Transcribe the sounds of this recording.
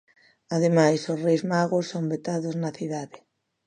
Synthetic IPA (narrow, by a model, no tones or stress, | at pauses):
aðemajsosrejzmaɣosːombet̪aðoznɐθiðaðɪ